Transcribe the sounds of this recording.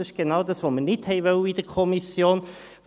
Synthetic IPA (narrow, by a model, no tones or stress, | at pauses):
ɪʃɡ̥enɑːwdɑsʋomənɪthɛɪʋœwəid̥əɾkʰɔmisjoːn